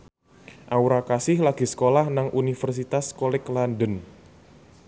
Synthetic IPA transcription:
ʔauɾakasɪhlaɡ̥i̤sə̥kolahnaŋʔunifərs̬it̪askolɪklandən

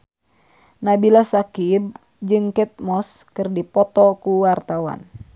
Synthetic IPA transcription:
nabilasakib̚ | d͡ʒɨŋkɛt̪̚mɔskɨrdipɔt̪ɔkuwart̪awa̰n

